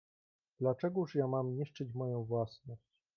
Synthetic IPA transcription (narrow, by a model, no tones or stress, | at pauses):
d̪̥lat͡ʂɛɡuʂjamamɲiʂt͡ʂɘt͡ɕmɔjɔ̃w̃vwasnɔɕt͡ɕ